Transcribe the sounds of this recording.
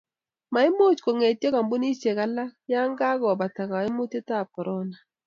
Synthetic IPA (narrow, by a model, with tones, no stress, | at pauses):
ma˨˦i˦mo˦˨t͡ʃko˨ŋe˨tjɔ˦ka˨mbu˦ni˦t͡ʃe˨ka˨la˦kja˦ŋɡa˦ɡɔ˨ba˨ta˨ka˨ɪ˦mo˦te˦ta˦˨pɔ˨ɾʔɔ˦na˨